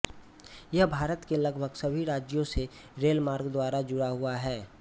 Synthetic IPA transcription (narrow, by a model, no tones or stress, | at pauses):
jɐɦbʱaːɾət̪kelɐɡbʱəɡsɐbʱiɾaːd͡ʒjõse | ɾeːlmaːɾɡd̪waːɾad͡ʒʊɽaɦʊaɦɛː